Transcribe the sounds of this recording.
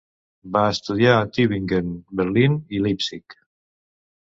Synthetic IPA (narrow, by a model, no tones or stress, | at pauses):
baest̪uðjaːt̪iβiŋkenbəɾlinilipsik